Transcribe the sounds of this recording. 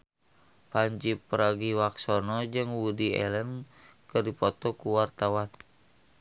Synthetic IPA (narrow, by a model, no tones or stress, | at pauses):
paɲd͡ʒipɾaɡiwaksonɔd͡ʒɨŋwudiɛ̰lən | kərdipɔt̪ɔkuwart̪awan